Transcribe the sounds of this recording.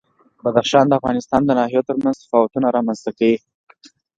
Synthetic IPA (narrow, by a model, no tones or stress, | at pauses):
bad̪axʃɑnd̪əafɣɑnɪst̪ɑnd̪ənɑhijot̪əɾmanzsḁfɑwat̪unaɾɑmanzt̪akawi